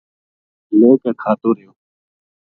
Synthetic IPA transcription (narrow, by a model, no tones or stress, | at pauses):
nẽːkeːkʰaːt̪oːɾəɦjoː